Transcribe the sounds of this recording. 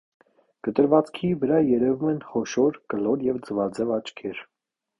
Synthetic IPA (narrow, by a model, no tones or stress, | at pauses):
kət̪əɾvɑt͡skʰivəɾɑjɛɾɛvumɛnχɔʃɔɾkəlɔɾjɛvd͡zəvɑd͡zɛvɑt͡ʃkʰɛɾ